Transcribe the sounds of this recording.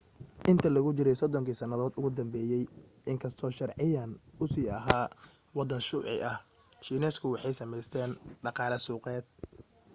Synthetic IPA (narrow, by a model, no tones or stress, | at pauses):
ʔɪnt̪ʰɐlɐɣʊt͡ʃɪɾɛjsɔd̪ɔŋkʰɪsɐnɐðɔːd̪ʊɣʊd̪ɐmbɛːjɛj | ʔɪŋkʰɐst̪ʰɔːʃɐrʕɪjaːnʊsiːɐɦaː | wɑd̪ɐnʃʊːʕɪ̰ʔɐh | ʃiːnɛːskʰʊwɑħɑjsɐmɛjst̪ʰɛːnɖɑqɑːlɐsuːqɛːd̪̥̚